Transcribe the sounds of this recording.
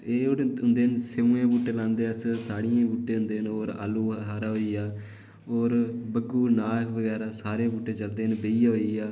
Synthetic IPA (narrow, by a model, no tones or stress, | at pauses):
eːɽʊnd̪eːnseũːẽːbuːʈːeːlãːnd̪eːəssaːɽijẽːbuːʈːeːɦʊ̃nd̪eːnoːɾa̰ːluːɦaːɾaɦoːiːaː | oːɾbəɡuːnaːkʰʋəɡɛːɾaːsaːɾeːbuːʈːeːt͡ʃəld̪eːnbeiːaoːiːaː